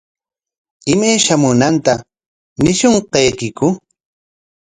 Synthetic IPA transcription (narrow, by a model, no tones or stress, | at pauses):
ɪmajʃamʊnant̪a | nɪʃoɴqɑjkɪkʊ